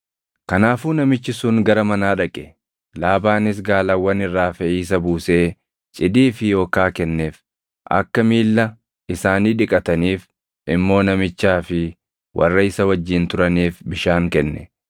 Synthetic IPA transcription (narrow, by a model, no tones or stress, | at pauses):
kɐnaːfuːnɐmɪt͡ʃːɪsʊŋɡɐɾɐmɐnaːᶑɐkʼːɛ̥ | laːbaːnɪs̬ɡaːlawːɐnɪrːaːfɛiːs̬ɐbuːse̞ː | t͡ʃʼɪd̪iːfɪjo̞ːkaːkɛnːeːf | ʔɐ̰kːɐmiːlːɐ | ɪsaːniːᶑɪkʼɐt̪ɐniːf | ʔɪmːo̞ːnɐmɪt͡ʃːaːfɪ | wʔɐ̰rːɐɪsɐwɐd͡ʒːɪnt̪ʊɾɐniːfbɪʃaːŋkɛnːɛ̰